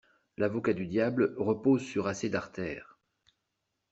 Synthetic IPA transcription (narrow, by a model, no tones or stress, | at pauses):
lavɔkad̪yd̪jablʁəpozsyʁased̪aʁt̪ɛːʁ